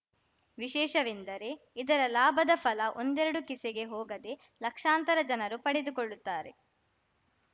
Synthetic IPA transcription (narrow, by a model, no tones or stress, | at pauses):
ʋiʃɛːʃɐʋind̪ɐɾe̞ | id̪ɐɾɐlaːbʱɐd̪ɐpʰɐlɐʔo̞nd̪ɛɾɐɽukiseɡe̞ɦɔːɡɐd̪e̞ | lɐkʂaːnt̪ɐɾɐd͡ʒɐnɐɾupɐɽed̪ukoɭːut̪ːaːɾe̞